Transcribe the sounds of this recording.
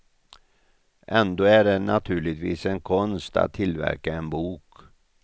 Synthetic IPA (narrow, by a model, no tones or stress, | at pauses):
ʔɛnd̪oːæɖɛnat̪ʰʉ̟ːɭɪt̪vḭːsɛnkʰɔnst̪a̰t̪ʰːɪlvæ̰ɾkaɛnbuːk